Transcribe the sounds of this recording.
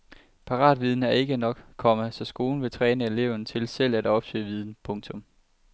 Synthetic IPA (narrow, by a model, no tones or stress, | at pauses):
pʰɑ̈ʁɑ̰̈ːd̥ʋið̞ˠn̩æɐe̝ɡ̥ənɒ̽ɡ̥kʰɒ̽məsɒ̽sɡ̥o̝ːln̩ʋe̝t͡sʰʁɛːnəe̝le̝ʊ̰nət͡sʰe̝lsel̰æd̥ɒ̽b̥sø̰ːʋið̞ˠn̩pʰɔ̽ŋt͡sʰɔ̽m